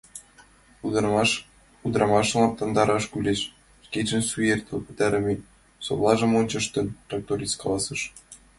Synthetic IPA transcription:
u | ud̪ɾɑmɑʃlˠɑnt̪ɑnd̪ɑɾɑʃkylʲeʃ | kʲeʒɘ̆nsujert̪ɤ̆pɘ̆t̪æɾɘ̆mʲe | so̰plˠɑʒɤ̆monʲt͡ɕɤ̆ʃt̪ɘ̆nt̪rɑk̚t̪oɾʲiskɑlˠɑsɤ̆ʃ

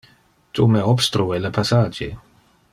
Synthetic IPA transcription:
t̪umeɔbst̪ɾuelepʰasaːd͡ʒḛ

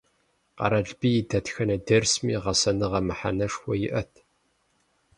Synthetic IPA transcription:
qɑ̰ɾɐɮbiːjdɐtxɐnɐdɐrsmḭːʁɐsɐnɨʁɐmɨħa̰nɐʂxʷɔjɪʔɐtʰ

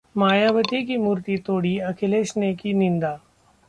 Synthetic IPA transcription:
maːjaːbət̪ikimuːɾt̪it̪oːɽiɐkʰɪleːʃnekinɪ̃nd̪aː

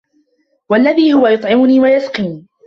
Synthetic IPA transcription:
walːaðiːhʊwajʊt̪ˤʕɪmʊniːwajasqiːni

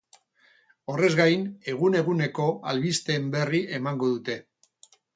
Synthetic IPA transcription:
o̞re̞zɣajne̞ɣ̞une̞ɣune̞ko̞alβist̪e̞mbe̞riʔemaŋɡo̞ðut̪e̞

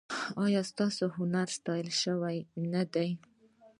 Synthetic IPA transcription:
ɑjɑst̪ɑsoɦʊnaɾst̪ɑjəlʃəwajnad̪aj

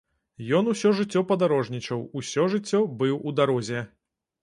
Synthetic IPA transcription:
jɔn̪usʲɔʐɨt͡sʲːɔpɐd̪aɾɔʐnʲit͡ʂɐwusʲɔʐɨt͡sʲːɔbɨwud̪aɾɔzʲɛ

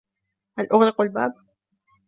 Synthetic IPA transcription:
ʔalʔʊɣɾɪqalbaːb̚

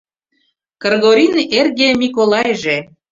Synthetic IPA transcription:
kərɣoɾʲinerɣemʲikolˠɑjʒe

